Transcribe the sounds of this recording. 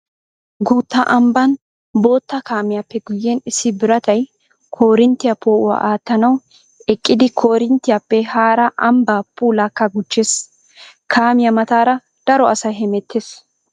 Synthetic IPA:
ɡuːt̪ːɐʔɐmbɐn | bo̞ːt̪ːɐkaːmɪjapːɛɡʊjːenɪsːɪbɪɾɐt̪ɐj | kʰo̞ːɾɪnt̪ːɪjɐpʰoːʔʊɐ̰ʔaːt̪ːɐnɐw | ɛkʼːɪd̪ɪkʰo̞ːɾɪnt̪ːɪjapːɛhaːɾɐʔɐmbaːpːuːlakːɐɡʊt͡ʃːeːs | kʰaːmɪjɐmɐt̪aːɾɐ | d̪̥ɐɾɔɐsɐjɦɛmɛt̪ːeːs

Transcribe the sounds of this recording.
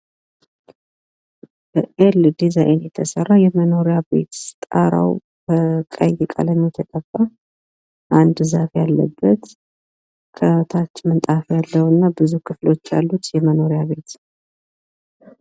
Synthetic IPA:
b̥əʔeld̪izajnjɛt̪ʰəsərːajɛməno̞ɾjabe̞̰t̪t̪ʼaɾa̰w | b̥əkʼa̰jjɛkʼa̰ləmːit̪ʰək̪ʼəfːa | ʔand̪zafjalːəbːət̪ | kʰət̪ʰat͡ʃːmɨnt̪ʼafjalːəwɨnːabɨzukʰɨflo̞t͡ʃːja̰lːut̪jɛməno̞ɾijaβe̞t̪

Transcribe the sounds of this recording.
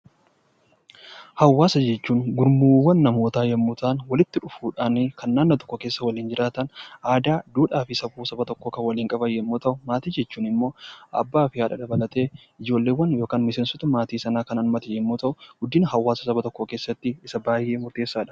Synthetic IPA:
hɐwːaːsɐd͡ʒɛt͡ʃːuːnɡʊɾmuːwɐnːɐmo̞ːt̪aːjɐmːut̪aːnwɐlɪt̪ːɪᶑʊfuːᶑaːnkɐnːaːnːɐt̪ɔ̥kːɔke̞ːsːɐwɐliːnd͡ʒɪɾʔaːt̪ɐnaːd̪aːd̪uːᶑaːfɪsɐbuːsɐbɐt̪ɔkːoːkɐwɐliːŋkʼɐbɐjːɛmːuːt̪ɐʔʊmaːt̪iːd͡ʒɛt͡ʃːuːnɪmːo̞ːɐ̰bːaːfɪhaːᶑɐd̪ɐbɐlɐt̪e̞ː | ɪd͡ʒo̞ːlːeːwːɐnjo̞ːkaːnmɪseːnsɔt̪ɐmaːt̪iːsɐnaːkɐnɐlmɐt̪ɛjɛmːuːt̪ɐʔʊɡ̥ʊd̪iːnhɐwːaːsɐsɐbɐt̪ɔkːoke̞ːsːɐt̪ːɪɪsɐbaːjʔe̞ːmʊɾt̪e̞ːsːaːᶑɐ̥

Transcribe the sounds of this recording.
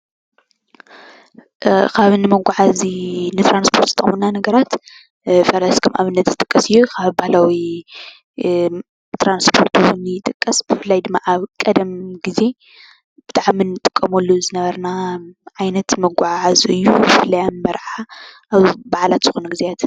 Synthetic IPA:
kʰaβɨnɨmɐɡʷaʕazinɨt̪ʰɾanspʰo̞ɾt̪ɨt̪ʰʼɐ̰χmɨnːanɐɡɐɾat̪ | fɐɾɐskʰɐmʔaβɨnːɐt̪zɨt̪ʼɨkʼːɐsɨjːukʰaβbahlawi | t̪ɾanspʰo̞ɾt̪ʰuwunːɨjɪt̪ʼɨkʼːɐsb̥ɨfɨlːajd̪ɨmːaʔaβkʼɐd̪ɐmɡize̞ | b̥ɨt̪ʰʼaʕminːɨt̪ʼɨkʼːɐmolːuzɨnɐβɐɾnaʕajnɐt̪mɐɡʷaʕʕazʔɨjːubɨfɨlːɐjammɐɾħaʔaβbaʕlat̪z̥ɨxunɡɨzejat̪

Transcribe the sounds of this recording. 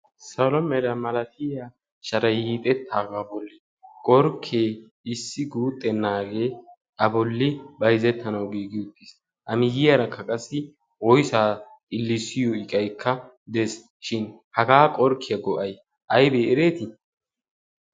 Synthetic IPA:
sɐlɔmɛɾɐmɐlɐt̪ɪja | ʃɐɾɐjhiːt̪ʼɛt̪ːaːɡaːbɔlːɪ | kʼɔɾkʰeː | ɪsːɪɡuːt̪ʼːɛnːaːɡe̞ː | ʔɐbɔlːɪbɐjzɛt̪ʰːɐnɐwɡiːɡɪjʊt̪ːis | ʔɐmɪɡɪjɐɾɐkʰːɐkʼɐsːɪ | wɔjsaːt̪ʼɪlːɪsɪjɔɪkʼɐjkʰːɐ | d̪ɛs | ʃɪn | hɐɡaːkʼɔɾkʰːɪjɐɡɔʔɐj | ʔɐjbeːɛɾe̞ːt̪ɪ

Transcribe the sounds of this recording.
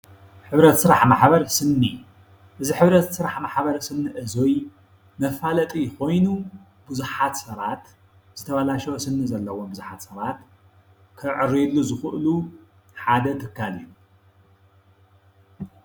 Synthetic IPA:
ħɨβɾɐt̪sɨɾaħmaħbɐɾsɨnːi | ʔɨziħɨβɾɐt̪sɨɾaħmaħbɐɾsɨnːɨʔɨzoj | mɐfalɐt̪ʼijko̞jnu | b̥ɨzuħat̪sɐβat̪ | z̥ɨt̪ʰɐβalaʃɛwsɨnːɨzɐlːɐwombɨzuħat̪sɐβat̪ | kʰɨʕɨɾilːuzɨxɨʔlu | ħad̪ɐt̪ʰɨkːalin

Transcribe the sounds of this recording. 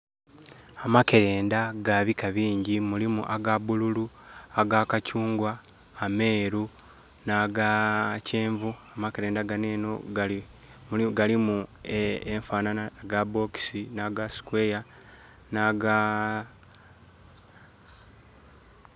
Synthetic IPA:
amake̞ɾe̞ːndaɡaβikaβiːɲɟimulimṵʔaɡabululuaɡaːkacuːŋɡwaː | me̞ːɾu | naɡaceːɱvuamakeɾe̞ːndaɡaneːno̞ | ɡalimu | eɱfaːnanaɡaboki̥sinaɡasi̥kwe̞ja | naɡa

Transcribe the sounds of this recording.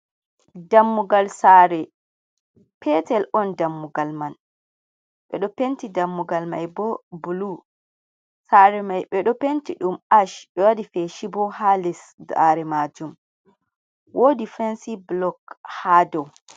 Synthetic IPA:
damːuɡalsaɾɛ | pʰɛtɛlɔndamːuɡalman | ɓɛ̰ɗɔpentidamːuɡalmajbɔbulu | saɾɛmajɓɛɗɔpentiɗumaʃɓɛwadifɛʃibɔhalis | daɾɛmad͡ʒum | wʔodifɛnsiblɔkhadɔw

